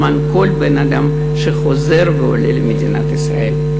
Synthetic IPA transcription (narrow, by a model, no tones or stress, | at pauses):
manko̞lbenad̪am | ʃeχo̞zeʁveo̰lelemed̪ina̰t̪isʁa̰ʔe̞l